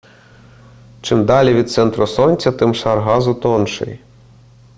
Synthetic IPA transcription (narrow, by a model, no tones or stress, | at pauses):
t͡ʃɪmd̪ɑlʲiʋʲid̪̚t̪sɛnt̪ɾɔsɔnʲt͡sʲɐt̪ɪmʃɑrɦɑzʊt̪ɔnʃɪ̰j